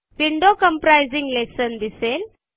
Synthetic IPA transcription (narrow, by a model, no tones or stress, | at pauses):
ʋiɳɖokəmpɾajd͡zĩŋɡlesənd̪isel